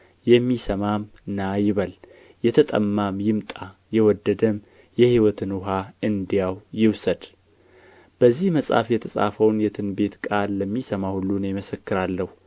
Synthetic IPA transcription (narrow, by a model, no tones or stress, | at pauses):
jɛmːisəmam | najɪβəl | jɛt̪ʰət̪ʼə̰mːamjɪmt̪ʼajɛwɔd̪ːəd̪əm | jɛhiwɔt̪ʰɨnʊɦaɨnd̪ijawjɪwsəd̪ | b̥əzːihməsʼa̰fjɛt̪ʰəsʼa̰fəwnjɛt̪ʰɨnbe̞t̪kʼalːəmːisəmahulːunjɪməsəkːɨɾalːəhu